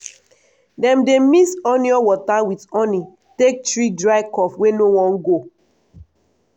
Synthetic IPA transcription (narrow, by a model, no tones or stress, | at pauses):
dɛ̃mdemisɔniɔwɔtawitɔ̃ni | tek̚tɹidɹaɪkɔfwenowɔ̃nɡo